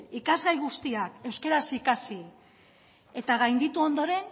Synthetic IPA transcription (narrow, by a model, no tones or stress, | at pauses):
ikazɣajɣust̪iake̞wske̞ɾasikasi | e̞t̪aɣajnd̪it̪uo̞nd̪o̞ɾe̞n